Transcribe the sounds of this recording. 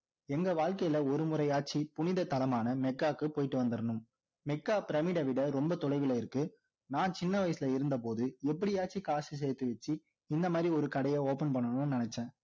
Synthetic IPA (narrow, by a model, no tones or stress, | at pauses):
ɛŋɡɐʋaːɻkɐjɪlɐɔɾɯmʊɾɐɪaːʈ̚t͡ʃːipʊnɪðɐt̪ːɐlɐmaːnɐmɛkːaːkːɯpoːjɪʈːɯʋɐnd̪ɪɾɐnɯm | mɛkːaːpɪɾɐmɪɽɐʋɪɽɐɾɔmbɐt̪ɔɽɐɪʋɪlɐɪɾɯkːɯ | naːnt͡ʃɪnːɐʋɐjɐsɪlɐɪɾɯnd̪ɐp̬oːðɯɛpːɐɽiaːt͡ʃːikaːsis̬ɛjt̪ːɯʋɐt͡ʃːi | ɪnd̪ɐmaːd̪ɾiɔɾɯkɐɽɐjɐoːpɐnpɐɳːɐnɯnɪnɐt͡ʃːɛ̃ː